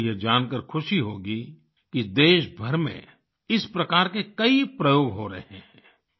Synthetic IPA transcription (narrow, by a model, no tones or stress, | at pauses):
jed͡ʒaːnkəɾkʰʊʃiɦoːɡi | kid̪eːʃbʱɐɾmḛ̃ | ɪspɾɐkaːɾkekɐipɾɐjoːɡɦoːɾɐ̰ɦẽɛ̃ː